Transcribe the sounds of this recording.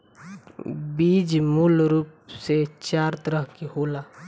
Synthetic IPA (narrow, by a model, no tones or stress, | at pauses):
biːd͡ʒmulɾuːpset͡ʃaːɾt̪əɾəɦkehoːlaː